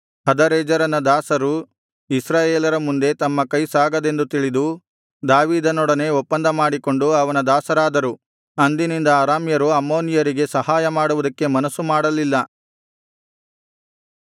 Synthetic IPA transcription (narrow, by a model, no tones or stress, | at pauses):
hɐd̪ɐɾɛːd͡ʒɐɾɐnɐd̪aːsɐɾu | isɾaːjeːlɐɾɐmund̪e̞t̪ɐmːɐkɐjsaːɡɐd̪e̞nd̪ut̪iɭid̪u | d̪aːʋiːd̪ɐnɔɽɐne̞ɔpːɐnd̪ɐmaːɽiko̞ɳɖuɐʋɐnɐd̪aːsɐɾaːd̪ɐɾu | ɐnd̪inind̪ɐaːɾaːmjɐɾuɐmːo̞ːnijɐɾiɡe̞sɐhaːjɐmaːɽuʋud̪ɐkːe̞mɐnɐsːumaːɽɐlilːɐ